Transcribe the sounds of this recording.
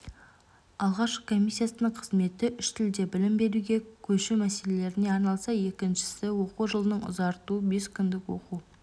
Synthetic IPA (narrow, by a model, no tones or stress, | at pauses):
ɑlˠʁɑʃkʰo̞mʲijsːijasənəɴqʰəzme̞t̪ɪʔʏʃt̪ʰɪld̪e̞bɪlɪmbe̞ɾuɡʲe̞kʲʰɵʃɪmæse̞le̞le̞ɾɪne̞ɑɾnɑlˠsɑje̞kʲɪnʃɪ̥sɪwo̞quʒəlˠənəɴʊ̰zɑɾt̪uəbe̞skʲʰʏnd̪ɪkwo̰qu